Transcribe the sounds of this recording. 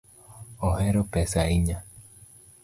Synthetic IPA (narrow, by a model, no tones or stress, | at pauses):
oɦeɾopesaiɲa